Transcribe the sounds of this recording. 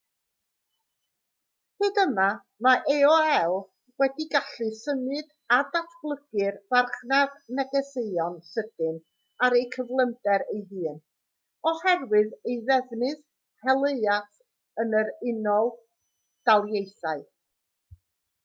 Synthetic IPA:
hɨːdəma | maʔeɔɛlˠ | wɛdiɡaɬɨsəmɨd | adatʰb̥lˠəɡ̥ɨrv̥arχnadnɛɡɛseɨɔnsəd̥ɨn | aɾejkʰəvlˠəndɛɾejɦɨːn | ɔhɛrwɨðejðɛvnɨð | hɛlˠeɨat | ənəɾɪnɔlˠ | d̥alˠjejθaɨ

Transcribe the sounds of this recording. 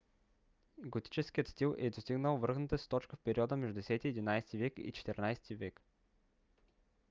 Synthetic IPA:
ɡot̪i̥t͡ʃɛskijət̪st̪ilˠʔɛd̪ost̪iɡnəlˠvɤɾxnət̪əst̪ɔt͡ʃkəfpɛɾiɔd̪əmɛʒd̪ud̪ɛsɛt̪iɛd̪inajsɛ̥t̪ivɛkḭt͡ʃɛ̥t̪ɛɾnajst̪ivɛk

